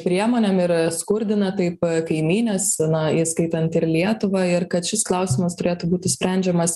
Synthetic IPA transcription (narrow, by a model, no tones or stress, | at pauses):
pʲɾʲiɛmoːnʲɛmɪɾskʊɾʲd̪ʲɪnɐt̪ɐɪpkɐɪmʲiːnʲɛsnɐiskɐɪt̪ɐnt̪ɪɾlʲiɛt̪ʊʋɐɪɾkɐt̪ʃʲɪsklˠɐʊsʲɪmɐst̪ʊɾʲeːt̪ʊbuːt̪ʲɪsʲpʲɾʲɛnʲd͡ʒʲɛmɐs